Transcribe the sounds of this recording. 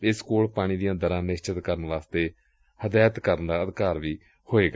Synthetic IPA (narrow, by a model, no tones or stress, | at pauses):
ɪskoːlpaːɽ̃iːd̪ijãːd̪əɾãːnɪst͡ʃət̪kəɾənʋaːst̪eː | həd̪aːət̪kəɾənd̪aːəd̪kaːɾʋiː | hoːeːɡa